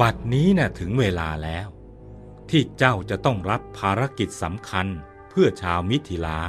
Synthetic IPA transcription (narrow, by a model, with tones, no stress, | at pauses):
wa˨˩t̪̚niː˦˥na˥˩t̪ʰɯ˩˦ŋweː˧la̰ː˧lɛː˦˥w | t̪ʰiː˥˩t͡ɕa˥˩wt͡ɕa˨˩t̪ɔ˥˩ŋɾa˦˥pʰːaː˧ɾa˦˥ki˨˩t̪̚sa˩˦mkʰa˧n | pʰɯ˥˩ɐt͡ɕʰaː˧wmi˦˥t̪ʰːi˧˥laː˧˥